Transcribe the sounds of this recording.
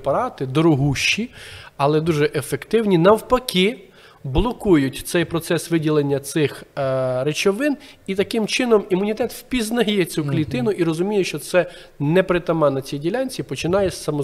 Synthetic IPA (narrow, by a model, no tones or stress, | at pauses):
pɐɾɑt̪ɪd̪ɔɾɔɦuʃt͡ʃːiɐlˠɛd̪uʒɛʔefekt̪ɪwnʲinɐwpɐkʲɪ | blˠɔkujʊtʲt̪sɛjpɾɔt̪sɛsʋɪdʲilˠenʲːɐt̪sɪxɾet͡ʃɔʋɪnit̪ɐkɪmt͡ʃɪnɔmimʊnʲit̪ɛt̪wpʲiznɐjɛt͡sʲuklʲit̪ɪnʊʔiɾɔzʊmʲijɛʃt͡ʃɔt̪sɛnɛpɾɪt̪ɐmɑnɐt͡sʲijdʲilʲɑnʲt͡sʲipɔt͡ʃɪnɑjɛsɐmɔ